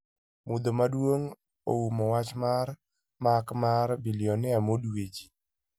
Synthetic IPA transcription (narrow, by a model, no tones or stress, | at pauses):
mʊd̪omadwoŋ | o̰wumɔwat͡ʃmar | makmaɾbiljɔnɪamodwed͡ʒi